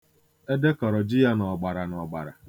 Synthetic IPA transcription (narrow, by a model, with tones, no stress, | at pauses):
e˦de˦kɔ˨ɾɔ˨d͡ʒɪ˦ja˦nɔ˨ɡ͡ba˨ɾa˨nɔ˨ɡ͡ba̰˨ɾa̰˨